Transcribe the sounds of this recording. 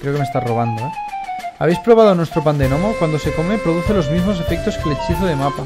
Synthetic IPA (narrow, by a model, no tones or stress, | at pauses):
kɾeokemest̪azro̞β̞and̪oeaβejspɾoβ̞aðonwest̪ɾopand̪enomokwand̪oseko̞me̞pɾo̞ðuθe̞lo̞zmizmo̞s̬e̞fek̚t̪o̞skelet͡ʃiθoðemapa